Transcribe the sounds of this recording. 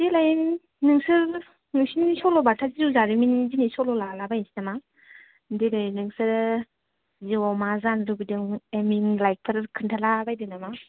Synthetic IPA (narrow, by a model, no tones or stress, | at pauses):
dilajin | nɯŋsɯɾ | nɯŋsinnisɔlɔbatʰazizuzaɾiminzinisɔlɔlalabajinsi̥nama | dilajnːɯŋsɯɾ | ziwɔmazanɾubidɯŋeminlajk̚pʰaɾɯɾkʰɯntʰalabajdɯnama